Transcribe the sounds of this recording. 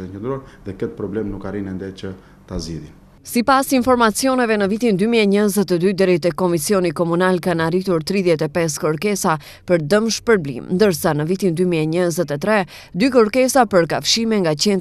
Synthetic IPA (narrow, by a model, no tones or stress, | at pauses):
t̪ɛnt͡ʃənd̪ɾuaɾðɛkɛt̪̚pɾɔblɛmnukaɾinɛnd̪ɛt͡ʃə | t̪aziðin | sipasinfɔɾmat͡siɔnɛvɛnəvit̪ind̪ymiɛɲəzɛt̪ɛd̪yd̪ɛɾit̪ɛkɔmisijɔnikɔmunalkanarit̪uɾt̪ɾiðjɛt̪ɛpɛs̬kəɾkɛsa | pəɾd̪əmʃpəɾblḭmnd̪əɾsanəvit̪ind̪ymiɛɲəzɛt̪ɛt̪ɾɛ | d̪ykəɾkɛsapəɾkafʃimɛŋɡat͡ɕɛn